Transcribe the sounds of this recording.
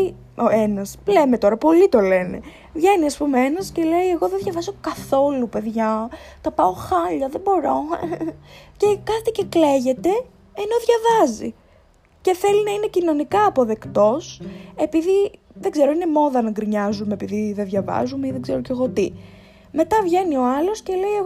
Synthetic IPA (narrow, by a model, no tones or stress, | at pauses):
oenɐspleme̞t̪o̞ɾɐpo̞lit̪o̞le̞ne̞̰ | vʝeniɐspumeenɐsce̞le̞jeɣo̞ðeðʝɐvɐso̞kɐθo̞lupe̞ðʝɐ | t̪ɐpɐo̞xɐʎɐðe̞bo̞ɾo̞ | ce̞kɐt̪ice̞kle̞ʝe̞t̪e̞ː | no̞ðʝɐvɐzḭ | ce̞θe̞linɐine̞cino̞nikɐːpo̞ðe̞kt̪o̞se̞piði | ðeɡze̞ɾoine̞mo̞ðɐnɐɡɾiɲɐzumepiðiðeðʝɐvɐ̰zumeiðeɡzeɾoceɣo̞t̪i | me̞t̪ɐvʝe̞nio̞ɐlo̞sce̞le̞ieɣ